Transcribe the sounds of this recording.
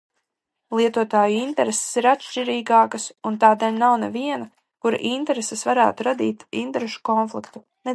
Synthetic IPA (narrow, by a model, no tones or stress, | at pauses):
lˠiɛt̪uɔt̪aːjuint̪ɛɾese̥siɾat̪ʃt͡ʃiɾiːɡaːkɐsunt̪aːd̪elʲnawnɛviɛnɐ | kuɾa̰ʔint̪ɛɾesesvaɾæ̰ːt̪uɾad̪iːt̪ḭnt̪eɾeʃu̥kɔnflˠikt̪u | ne